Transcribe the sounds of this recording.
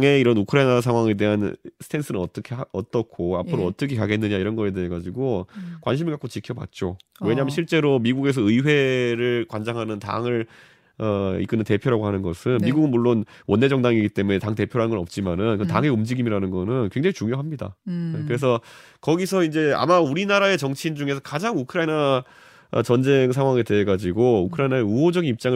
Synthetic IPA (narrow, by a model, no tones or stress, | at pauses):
aŋe̞iɾʌnukʰɯɾainas̬ʰaŋɦwaŋe̞de̞ɦansʰɯ̥tʰe̞ns͈ʰɯnɯnʌt͈ʌkʰeʌt͈ʌkʰoa̰pʰɯɾoʌt͈ʌkʰe̞kaɡe̞nːɯɲaiɾʌnɡʌe̞deeɡad͡ʑiɡokwa̰nɕ̬ʰimɯɭkak͈ot͡ɕikʰjʌbwa̰t̚t͡ɕ͈owe̞ɲamɯnɕʰiɭt͡ɕ͈e̞ɾomiɡuɡe̞s̬ʰʌɯiwe̞ɾɯɭkwand͡ʑaŋɦanɯnta̰ŋɯɾ | ʌḭk͈ɯnɯnte̞pʰjoɾaɡoɦanɯnɡʌsʰɯnmiɡuɡɯnmuɭːonwʌnːe̞d͡ʑʌŋdaŋiɡit͈e̞mune̞taŋte̞pʰjoɾɦanɡʌnʌp̚t͡ɕ͈imanɯnkɯtaŋe̞ɯmd͡ʑiɡimiɾanɯnɡʌnɯnkwe̞ŋd͡ʑaŋit͡ɕuŋjoɦamɲida̰kɯɾe̞s̬ʰʌ | kʌɡisʰʌind͡ʑe̞a̰mauɾinaɾae̞t͡ɕʌŋt͡ɕʰind͡ʑuŋe̞s̬ʰʌkad͡ʑaŋukʰɯɾaina | ʌ̰t͡ɕʌnd͡ʑe̞ŋsʰaŋɦwaŋete̞ɦeɡad͡ʑiɡoukʰɯɾainaeuɦod͡ʑʌɡinip̚t͡ɕ͈aŋɯ